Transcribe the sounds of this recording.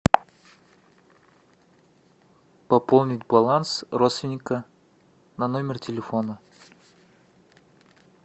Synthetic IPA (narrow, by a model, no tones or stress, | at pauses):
pɐpolˠnʲɪtʲbɐlˠansrot̪st̪vʲɪnʲɪkə | nɐnomʲɪrtʲɪlʲɪfo̞nə